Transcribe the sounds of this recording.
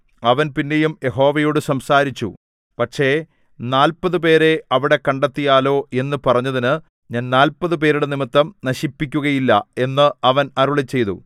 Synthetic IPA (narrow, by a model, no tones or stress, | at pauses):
ɐʋɐnpinːe̞jumje̞ɦo̞ːʋɐjoːɽɨsɐmsaːɾit͡ɕːṵ | pɐʈʂe̞ | naːlpɐðɨp̬e̞ːɾe̞ɐʋiɽe̞kɐɳɖɐt̪ːijaːlo̞ːe̞nːɨpɐrɐɲːɐðinɨ | ɲaːnnaːlpɐðɨp̬e̞ːɾuɽenimit̪ːɐmnɐɕipːik̬ʲːuɣɐjilːɐ̰e̞nːɨɐʋɐnɐɾuɭit͡ɕːe̞jt̪ṵ